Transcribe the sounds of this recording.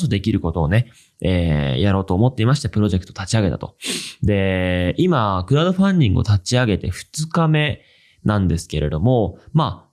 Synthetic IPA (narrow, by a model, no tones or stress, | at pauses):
sod̪e̞kʲiɾɯ̟ko̞t̪o̞ːne̞ | eːjaɾo̞ːt̪oːmo̞t̪ːe̞imaɕi̥t̪epɯ̟ɾo̞ʑe̞kɯ̟̥t̪ot̪at͡ɕiaɡe̞t̪a̰t̪o̞d̪e̞imakɯ̟ɾaːd̪o̞ɸãɲʲdʲĩŋɡɯ̟o̰t̪at͡ɕiaɡe̞t̪e̞ɸɯ̟̥t͡sɨkame̞ | nãnd̪e̞sɨ̥ke̞ɾe̞d̪o̞mo̞maː